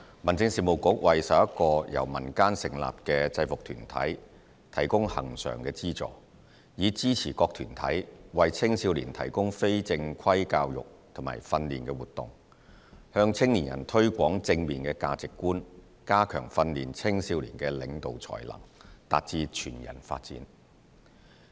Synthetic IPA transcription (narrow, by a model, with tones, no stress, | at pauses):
mɐ˨˩nt͡sɪ˧ŋsiː˨˩mo˨˩wkʊ˨˥k̚wɐ˨jsɐ˨p̚jɐ˥kɔː˧jɐ̰˨˩wmɐ˨˩nkaː˥nsɪ˨˩ŋla̰ː˨p̚kɛː˧t͡sɐ˧jfʊ˨k̚t̪ʰy̰ː˨˩nt̪ʰɐ̰˨˥j | t̪ʰɐ˨˩jkʊ˥ŋhɐ̰˨˩ŋsœ̰ː˨˩ŋkɛː˧t͡siː˥t͡sɔ̰ː˨˩ | jiː˨˧t͡siː˥t͡sʰiː˨˩kɔː˧k̚t̪ʰyː˨˩nt̪ʰɐ̰˨˥jwɐ˨jt͡sʰɪ˥ŋsiː˧wlḭː˨˩nt̪ʰɐ˨˩jkʊ˥ŋfe˥jt͡sɪ˧ŋkʰɐ˥jkaː˧wjʊ̰˨k̚t̪ʰʊ˨˩ma̰ː˨˩jfɐ˧nliː˨˩nkɛː˧wuː˨˩t̪ːʊ̰˨˩ŋ | hœː˧ŋt͡sʰɪ˥ŋliː˨˩njɐ̰˨˩nt̪ʰɵ˥ɥkʷɔː˨˥ŋt͡sɪ˧ŋmiː˨˩nkɛː˧kaː˧t͡sɪ˨kːuː˥n | kaː˥kʰœ̰ː˨˩ŋfɐ˧nliː˨˩nt͡sʰɪ˥ŋsiː˧wlḭː˨nkɛː˧lɪ˨˧ŋt̪o˨wt͡sʰɔ̰ː˨˩jlɐ̰˨˩ŋt̪a̰ː˨˧t̚t͡siː˧t͡ʃʰyː˨˩njɐ̰˨˩nfa̰ː˧t̚t͡siː˨˥n